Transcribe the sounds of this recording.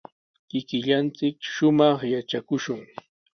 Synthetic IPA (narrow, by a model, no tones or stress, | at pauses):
kɪkɪʎant͡sɪkʃʊmɑχjat͡ʃakʊʃʊŋ